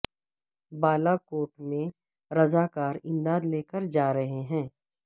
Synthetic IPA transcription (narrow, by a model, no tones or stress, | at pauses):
baːlakoːʈmẽ | ɾɐzaːkaːɾɪ̃nd̪aːd̪leːkəɾd͡ʒaːɾɐɦeɦɛ̃ː